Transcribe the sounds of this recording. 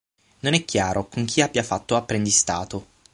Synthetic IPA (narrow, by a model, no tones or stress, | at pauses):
nonɛkːjaːɾʔokoŋk̟ʰiabːjafat̪ːoapːɾend̪ist̪aːt̪o